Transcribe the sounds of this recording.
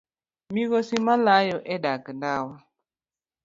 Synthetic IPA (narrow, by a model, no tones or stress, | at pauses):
miɣosimalajɔʔɛdakəndawa